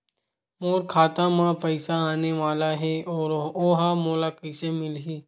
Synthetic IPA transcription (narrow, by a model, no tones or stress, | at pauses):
moːɾkʰaːt̪ãmãpəɪsaaːneʋaːlaɦɛɔːɾoːɦamoːlakəɪsemɪlɦiː